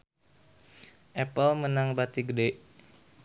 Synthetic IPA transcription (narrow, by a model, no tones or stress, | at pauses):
ʔɛpəlmənaŋbat̪iɡədeʔ